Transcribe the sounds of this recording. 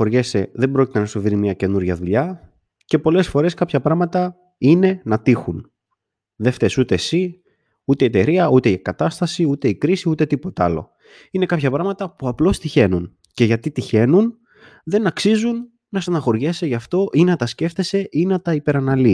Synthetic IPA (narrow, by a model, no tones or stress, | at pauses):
o̞ɾʝese̞ðe̞bɾo̞ci̥t̪enɐsoviɾimɲɐce̞nuɾʝɐðuʎɐ | ce̞po̞le̞sfo̞ɾe̞skɐpçɐpɾɐɣmɐt̪ɐ | ine̞nɐt̪ixun | ðe̞ft̪esut̪e̞si | ut̪eiet̪e̞ɾiɐut̪e̞iekɐt̪ɐst̪ɐsiut̪e̞ikɾisiut̪e̞t̪ipo̞t̪ɐlo̞̰ | ine̞kɐpçɐpɾɐɣmɐt̪ɐpuɐplo̞st̪içe̞nun | ce̞ʝɐt̪it̪içe̞nun | ðe̞nɐksizunː | ɐsɐnɐxo̞ɾʝeseʝɐft̪o̞ʔinɐt̪ɐsce̞ft̪e̞se̞ʔinɐt̪ɐipe̞ɾɐnɐli